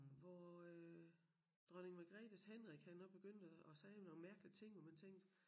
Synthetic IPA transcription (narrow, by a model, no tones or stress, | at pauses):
ʋɒø | d̥ʁɶne̝ŋʋɑɡ̥ʁɛ̰ːd̥əshenʁiɡ̥hænːɒ̽b̥e̝ɡ̥øn̰d̥əɒ̽sɛːno̝ːŋmæɐɡ̥əli̥t͡sʰe̝ŋ̰ʋɑmænt͡sʰeŋ̰d̥